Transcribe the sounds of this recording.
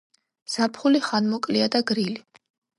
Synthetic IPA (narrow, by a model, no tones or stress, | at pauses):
z̥apʰχuliχanmɔkʼliad̪aɡɾili